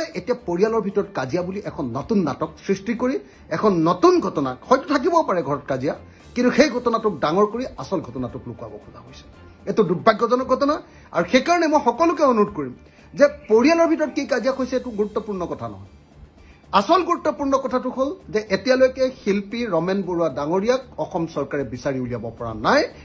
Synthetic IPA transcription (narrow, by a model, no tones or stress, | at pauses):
ɛʔetijapoɹijalɔɹbʱitɔɹɔtkazijabuliʔɛkʰɔnːɔtunːa̰tɔksɹistikoɹi | ɛkʰɔnːɔtunɡʱɔtɔnaxɔjtʊtʰak̬ibɔpaɹɛɡʱɔɹɔt̚kazija | kintuxejɡʱɔtɔnatʊk̚daŋɔɹkoɹiasɔlɡʱɔtɔnatʊklʊkwa̰bɔkʊza̰kojsɛ̥ | etʊdubʱːaɡːɔzɔnɔɡʱɔtɔna | a̰ɹuxejkaɹɔnɛmojxɔkɔlʊk̬ɛonuɹʊd̚koɹim | zɛpoɹijalɔɹbʱitɔɹɔt̚kikazijakojsɛɛtʊɡuɹutːɔpuɹnɔkɔtʰanɔ̰ɦɔ̰j | asɔlɡuɹutːɔpuɹnɔkɔtʰatʊɦolzɛʔetijalojkɛxilpiɹɔmɛnboɹadaŋoɹijak̚ɔxɔmsɔɹkaɹɛbisaɹiulijabɔpɔɹa̰naj